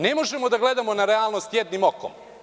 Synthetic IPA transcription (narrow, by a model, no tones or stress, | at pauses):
nemoʒemod̪aɡled̪amonaɾealˠnost̪jed̪nimoko̰m